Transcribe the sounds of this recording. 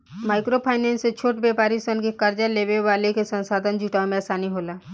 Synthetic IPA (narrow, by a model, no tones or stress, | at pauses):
maɪkɾopʰaɪnenset͡ʃʰoʈbepaːɾisənkekəɾd͡ʒaleβeʋalekesə̃nsad̪ʱənd͡ʒuʈaomeasaːniɦola